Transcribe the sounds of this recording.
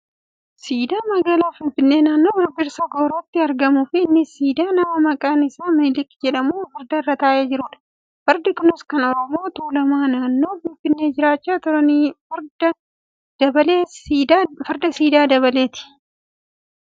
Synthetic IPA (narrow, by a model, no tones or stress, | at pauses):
siːd̪aːmɐɡaːlaːfɪnfɪnːe̞ːnaːnːo̞ːbɪɾbɪɾsɐɡoːɾɐːt̪ːɪɐɾɡɐmʊfɪːnːɪsiːd̪aːnɐmɐmɐkʼɐnɪsaːmilɪkːd͡ʒɛᶑɐmuːfɐɾd̪ɐɪrːɐt̪aːʔeːd͡ʒɪɾuːᶑɐ̥ | fɐɾd̪ɪkʊnɪskɐnɔɾɔmo̞ːt̪uːlɐmaːnaːnːo̞ːfɪnfɪnːe̞ːd͡ʒɪɾaːt͡ʃːaːt̪ʊɾɐniːfɐɾd̪ɐ | d̪ɐbɐleː | fɐɾd̪ɐsiːd̪aːd̪ɐβɐle̞ːt̪ɪ̥